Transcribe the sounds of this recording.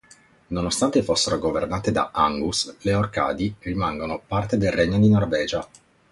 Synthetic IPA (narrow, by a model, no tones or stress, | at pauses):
nonost̪ant̪efosːeɾoɡovernaːt̪ed̪a̰aŋɡusleorka̰ːd̪irimaŋɡonopart̪ed̪elreɲːod̪inorvɛːd͡ʒa